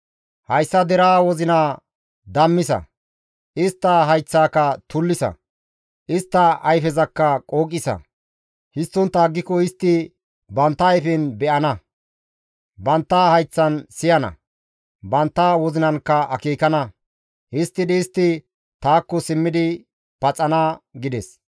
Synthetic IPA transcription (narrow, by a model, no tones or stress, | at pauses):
hɐjsːɐd̪ɛɾaːwɔzɪnaː | d̪ɐmːɪsɐ̰ | ʔɪst̪ːɐɦɐjt͡sːaːkːɐt̪ʊlːɪsɐ̰ | ʔɪst̪ːɐʔɐjfɛzɐkːɐkʼoːkʼːɪsɐ̰ | hɪst̪ːɔnt̪ːaːɡːɪkɔɪst̪ːɪ | bɐnt̪ːɐːjfɛnbɛʔɐnɐ | bɐnt̪ːaːhɐjt͡sːɐnsɪjɐnɐ̰ | bɐnt̪ːaːwɔzɪnɐnkːɐɐkiːkɐnɐ | hɪst̪ːɪd̪ɛɪst̪ːɪ | t̪aːkːɔsɪmːɪd̪ɪ | pɐt͡sʼːɐnaɡɪd̪ɛs